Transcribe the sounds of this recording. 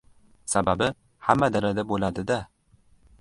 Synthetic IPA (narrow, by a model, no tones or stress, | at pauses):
sababɪ | hamːad̪aɾad̪abolad̪ɪd̪a